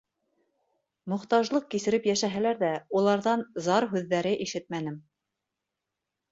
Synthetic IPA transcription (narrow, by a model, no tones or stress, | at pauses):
mŏχt̪ɑʒlˠɤq̚kisɘ̆ɾɘpjæʃæɦælæɾðæulˠɑɾðɑnzɑɾɦʉðːæɾɘʔiʃɘt̪̚mænɘm